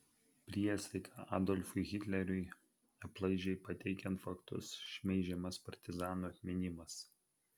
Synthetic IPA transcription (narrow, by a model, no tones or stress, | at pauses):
pʲɾʲiɛsʲɛɪkʰɑɑ̰ːd̪ɔlʲfʊɪɣʲɪt̪ʲlʲɛɾʲʊɪ | ɐplˠɐɪʒʲɛɪpɐt̪ʲɛɪkʲɛnt̪fɐkt̪ʊ̰sʃʲmʲɛɪʒʲɛmɐspɐɾʲt̪ʲɪzɑːnuɐt̪ʲmʲɪnʲɪmɐs